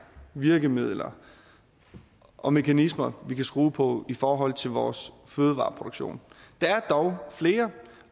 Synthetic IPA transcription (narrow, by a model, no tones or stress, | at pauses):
ʋiɐɡ̥əmið̞̰ˠlɐ | ʔɒ̽me̝kʰænismɐʋikʰæsɡ̥ʁuːpʰɒ̽ifɒːɦɒ̽l̰t͡sʰe̝lʋɒːsføːð̞ˠʋɑ̈ːpʰʁo̝d̥oɡ̥ɕo̝̰ːnd̥ɑ̈æɐd̥ɒʊfle̝ːɐ